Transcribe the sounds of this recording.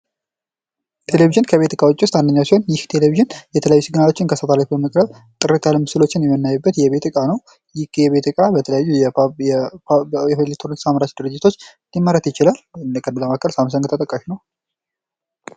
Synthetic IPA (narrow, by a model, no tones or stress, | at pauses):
t̪ʰe̞leviʒɨnkʰəβe̞t̪ɨkʼawot͡ʃʼːwʊst̪ʼandəɲːawsiho̞njɪht̪ʰe̞leviʒɨnjɛt̪ʰələjajusiɡnalo̞t͡ʃːɪnkʰəsat̪ʰalajbəməkʼɾəβ | t̪ʼɨɾɨt̪ʰjalmɨsɨlo̞t͡ʃːɪnjɛmənːajɛbːət̪jɛβe̞t̪ɨkʼanəw | jɪjɛβe̞t̪ɨkʼabət̪ʰələjajːujɛ | jɛfolet̪ʰoɾsamɾaʃd̪ɨɾɨd͡ʒːɪt̪ʰo̞t͡ʃːlimːəɾət̪jɪt͡ʃɪlalɨnd̪əkʼəd̪ɨləmakʼːəlsams̬əŋɡɨt̪ʰːət̪ʼəkʼːaʃinəw